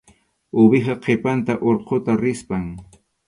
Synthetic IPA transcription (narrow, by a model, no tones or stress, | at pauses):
ʊbɪχɑqʰepant̪aʔoɾqʰot̪aɾɪspaŋ